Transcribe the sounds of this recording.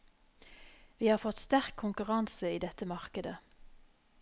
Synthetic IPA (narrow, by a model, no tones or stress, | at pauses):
ʋiːhɑːʁfɔt̪st̪æʁkʰːʊŋkʉʁɑnsəiːd̪ɛt̪əmɑʁkəd̪ə̰